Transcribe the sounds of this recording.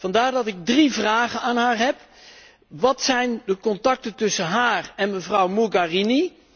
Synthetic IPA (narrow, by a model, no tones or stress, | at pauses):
vɑndaːɹdɑtɪɡ̚drivraːχənaːnɦaːɹɦɛp | ʋɑtsɛjndəkɔntɑk̚tətɵsənɦaːrɛnməvrʌwmuɡarini